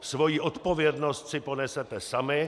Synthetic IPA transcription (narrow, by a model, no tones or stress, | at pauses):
svo̞jiːʔo̞t̪po̞vjɛdnost̪sɪpo̞nɛsɛt̪ɛsamɪ